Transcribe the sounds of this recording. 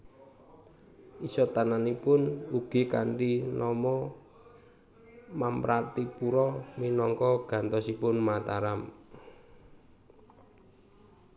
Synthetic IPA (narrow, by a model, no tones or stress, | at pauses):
isɔt̪ananipʊnuɡ̥i̤kaɳʈinɔmɔ | mampɾat̪ipuɾɔminɔŋkɔɡ̥a̤nt̪ɔsipʊnmat̪aɾam